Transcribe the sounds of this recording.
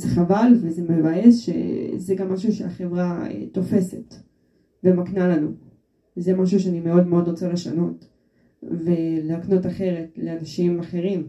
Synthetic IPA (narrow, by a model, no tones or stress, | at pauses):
zeχavalvezemevajesʃe̞̰zeɡamːaʃuʃeaχe̞vʁaḛt̪o̞fe̞se̞t | vemaknalanu | zemaʃ̬uʃeanimeo̞dme̞o̞dʁot͡sale̞ʃa̰no̞t̪ | veleakno̞taχe̞ʁe̞tle̞anaʃimaχe̞ʁim